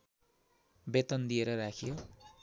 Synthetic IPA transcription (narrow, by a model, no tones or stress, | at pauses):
bet̪ʌnd̪ieɾʌrakʰijo